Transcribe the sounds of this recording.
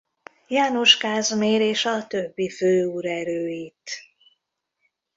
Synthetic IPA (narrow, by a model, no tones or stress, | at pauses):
jaːnoʃkaːzmeːɾeːʃɒt̪øbːiføːuɾɛɾøːit̪